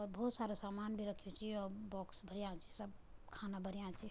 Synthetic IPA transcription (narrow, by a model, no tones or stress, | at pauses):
ɔɾbəut̪saɾosamanbʱiɾəkʰjot͡ʃʰiɔɾbɔksbʱəɾijãt͡ʃʰi̥səbkʰanabʱəɾijãt͡ʃʰi